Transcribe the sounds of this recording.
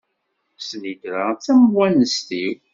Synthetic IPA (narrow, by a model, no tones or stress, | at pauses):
sniɡɾat͡sːæmwænəst̪iw